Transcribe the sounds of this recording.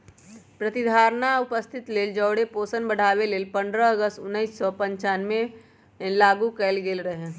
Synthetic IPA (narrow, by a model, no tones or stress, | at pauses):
pɾət̪ɪd̪ʱaːɾnaʊpəst̪ʰɪt̪leːld͡ʒəʊɽepoːsənbəɽ̤aːbeleːlpə̃nd̪ɾəːɡəst̪ʊnːəɪsːɔpə̃ɲt͡ʃaːnmẽ | laːɡukɛɪlɡeːlɾəɦẽ